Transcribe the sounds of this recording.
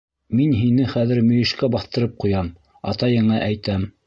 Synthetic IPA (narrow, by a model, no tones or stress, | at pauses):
minɦinɘχæðɘ̆ɾmɵ̆jɘ̆ʃkæbɑθt̪ɤ̆ɾɤp̚qujɑm | ɑ̰t̪ɑjɤ̆ɴɑʔæjt̪æm